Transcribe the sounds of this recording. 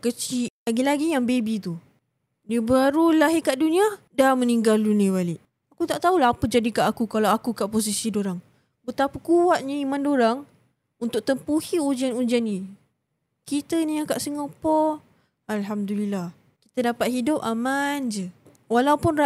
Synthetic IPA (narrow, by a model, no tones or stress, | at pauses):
kət͡ʃiʔlaɡilaɡijaŋbebit̪u | dibəaɾulaɦikaʔdunĩa | daməniŋɡalunĩβaliʔ | akut̪aʔt̪aulaɦapəd͡ʒadikaʔakukalawakukaʔpos̬isidoɾaŋ | bət̪apəkuwaʔ̪̚ɲəimãndoɾaŋ | unt̪ʊk̚t̪əmpuhiud͡ʒianud͡ʒanːi | kit̪ənĩakaʔsəŋɔpɔ | alɦamdulilːah | ki̥t̪adapat̪̚hidʊp̚amãnd͡ʒə | walaupʊn